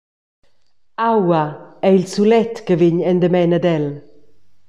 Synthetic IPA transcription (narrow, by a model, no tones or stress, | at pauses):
awaɛilsulɛt̪kəvɪɲɛnd̪əmɛnəd̪ɛl